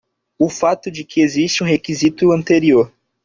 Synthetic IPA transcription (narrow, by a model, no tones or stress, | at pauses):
ʊfat̪ʊd͡ʒɪkʰɪeziʃt͡ʃɪũɦekizit̪ʊɐ̃nt̪eɾioɾ